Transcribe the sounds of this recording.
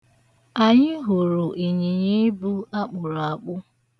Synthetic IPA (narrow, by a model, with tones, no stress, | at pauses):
a˨ɲɪ˦ɦu˨ɾu˨ʔi˨ɲi˨ɲi˦bu˦a˦k͡pʊ˨ɾa˨k͡pʊ˦